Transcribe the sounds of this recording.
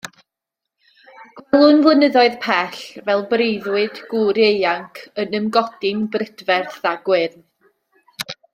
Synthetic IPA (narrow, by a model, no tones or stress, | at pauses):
ɡ̥wɛlˠʊnvlˠənəðɔɨðpʰɛɬvɛlˠbrejðwɨdɡ̥uɾejaŋkʰənəmɡɔd̥ɪŋbrɪdvɛrθaɡwɪn